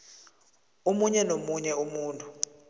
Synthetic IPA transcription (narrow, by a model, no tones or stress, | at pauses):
omuɲɛnomuɲɛumuːntʼu